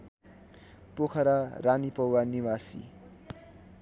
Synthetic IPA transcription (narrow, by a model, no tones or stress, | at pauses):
pokʰʌɾaranipʌwwaniwasḭ